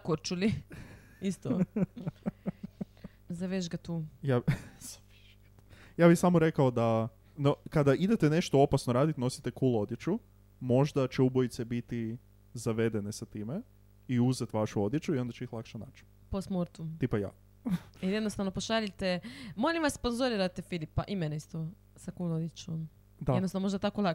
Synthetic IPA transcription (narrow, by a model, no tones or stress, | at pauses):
koɾt͡ʃuli | ist̪o | zaʋeʒɡat̪uːjaz̥aʋeʒɡt̪jaːbixsamoɾe̞kaod̪a | nokad̪aʔid̪e̞t̪ene̞ʃt̪oo̞pasnoɾaːd̪it̪no̞si̥t̪e̞kuːlˠoo̞d̪je̞t͡ʃu | mo̞ʒd̪at͡ʃeubojt̪se̞bit̪i | zaʋe̞d̪e̞ne̞sat̪iːme | iuzet̪ʋaʃuo̞d̪jet͡ʃuio̞nd̪at͡ɕt͡ʃeixlˠakʃanat͡ʃi̥ | posmoɾt̪ut̪ipaja̰ː | iljed̪nost̪aʋnopoʃaʎit̪emolimʋassponzoɾiɾat̪efilipaʔimeneist̪o | sakuːlˠod̪jet͡ʃom | d̪aenosanomo̞ʒd̪at̪akolˠa